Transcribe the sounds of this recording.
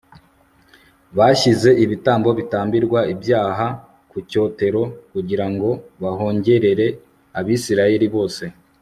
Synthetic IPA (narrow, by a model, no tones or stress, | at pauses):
βaçize̞ʔiβitaːmbo̞βitaːmbiɾɡwaibjaːɦa | kuco̞ːte̞ɾo̞kuɟiɾaŋɡo̞βaɦo̞ːɲɟe̞ɾe̞ɾe̞ | aβisiɾaje̞ɾiβo̞ːse̞